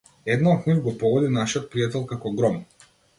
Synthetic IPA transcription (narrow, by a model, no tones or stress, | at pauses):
ɛd̪naxuɾɡɔpɔɡɔd̪inaʃiɔt̪̚pɾijat̪ɛlˠkakɔɡɾɔm